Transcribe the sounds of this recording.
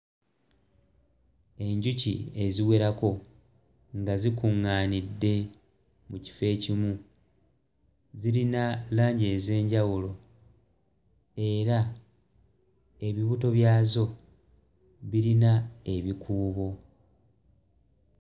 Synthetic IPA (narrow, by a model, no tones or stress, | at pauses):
e̞ɲɟucḭe̞ziwe̞ɾako̞ | ŋɡazikuŋːaːnidːe̞ | muci̥fe̞ːcimu | ziɾinalaːɲɟe̞ze̞ːɲɟawulo̞ | e̞ɾa | e̞βiβuto̞βjaːzo̞ | βiɾinae̞βikʰuːβo̞